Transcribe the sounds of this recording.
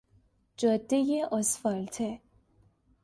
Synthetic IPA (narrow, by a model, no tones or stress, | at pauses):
d͡ʒɒd̪ːejeʔosfɒlt̪ʰe